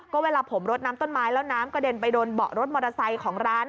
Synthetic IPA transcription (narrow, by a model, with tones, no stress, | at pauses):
kɔː˥˩weː˧laː˧pʰo˩˦mɾo˦˥t̪̚naː˦˥mt̪o˥˩nmaː˦˥jlɛː˦˥wnaː˦˥mkɔː˥˩deː˧npa˧jdoː˧nbɔ̰˨˩ʔɾo˦˥t̪̚mɔː˧ɾa˧sa˧jkʰɔː˩˦ŋɾaː˦˥n